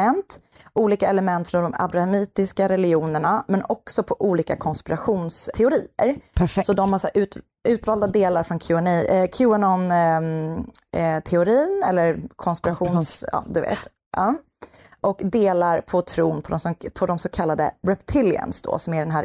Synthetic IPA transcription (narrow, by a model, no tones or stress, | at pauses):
ɛnt̪ | uːliːkaɛləmɛnt̪fɾɔnd̪ɔma̰bɾahamiːt̪ɪskaɾɛlɪuːnəɳamɛnɔksɔpʰɔʔuːliːkakʰɔnspɪɾaɧuːnsʰɛʊɾiːə̰ɾsɔd̪ɔmhasaʔʉ̟ːt̪ | ʉ̟ːt̪vɑːld̪ad̪eːlaɾfɾɔnkʰʉnkʰjʉanɔn | t̪ʰɛʊɾiːnɛlːəɾkʰɔnspɪɾaɧuːnsɑ̰ːd̪ɵvḛːt̪ | ʔɑː | ʔɔkd̪eːlaɾpʰɔt̪ʰɾuːnpʰɔd̪ɔmsɔpʰɔd̪ɔmsɔkʰalːad̪ə̰ɾɛpt̪ʰɪlɪə̰nsd̪ɔ̰sɔmæɖɛnɦæːɾ